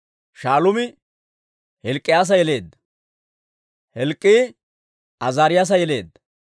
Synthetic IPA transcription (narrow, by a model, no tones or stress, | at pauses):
ʃaːlʊmɪ | hɛlkʼːɪjaːs̬ɐjɛle̞ːd̪ːɐ̥ | hɛlkʼːiː | ʔɐzaːɾɪjaːs̬ɐjɛle̞̰ːd̪ːɐ